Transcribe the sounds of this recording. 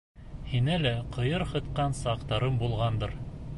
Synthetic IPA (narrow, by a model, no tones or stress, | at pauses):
hinælæqʰɤ̆jɤɾhɤ̆t̪qɑnsɑqt̪ɑɾɤmbulˠʁɑnd̪ɤɾ